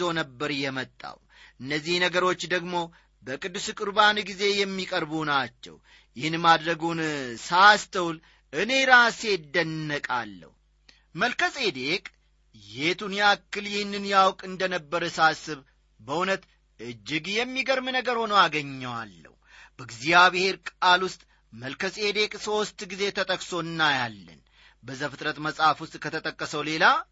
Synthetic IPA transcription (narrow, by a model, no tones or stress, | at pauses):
o̞nəbːəɾjɛmət̪ʼːa̰w | ʔɨnːəzːihnəɡəɾo̞t͡ʃːd̪əɡmo̞ | bəkʼɨd̪ːusɨkʼɨɾbanɡize̞jɛmːikʼəɾbunat͡ʃːɛ̰w | jɪhɨnmad̪ɾəɡunsast̪ʰəwl | ʔɨne̞ɾase̞d̪ːənːəkʼa̰lːə̰h | məlkəsʼe̞d̪e̞kʼ | jet̪unjakːɨljɪhɪnːɨnjawkʼɨnd̪ənəbːəɾəsasɨβ | bəʔunət̪ | ɨd͡ʒːɪɡjɛmːiɡəɾmɨnəɡəɾho̞nəwaɡəɲːəwa̰lːə̰hubəɡzijaβɨhe̞ɾkʼalwʊst̪ʼ | məlkəsʼe̞d̪e̞kʼso̞st̪ʼɡize̞t̪ʰət̪ʼəkʼso̞ɨnːajalːə̰n | bəzafɨt̪ʼɾət̪məsʼafwʊst̪ʼkʰət̪ʰət̪ʼəkʼːəsəwle̞la